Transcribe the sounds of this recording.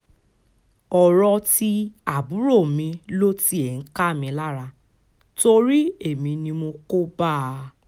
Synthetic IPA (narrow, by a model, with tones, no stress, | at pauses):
ɔ˨ɾɔ˧ti˧a˨bu˨˦ɾo˦˨mĩ˧lo˦ti˦e˨n̩˨˦ka˦˨mĩ˧la˦ɾa˧ | to˧ɾi˦e˦˨mĩ˧nĩ˧mo˧ko˦ba˦˨˧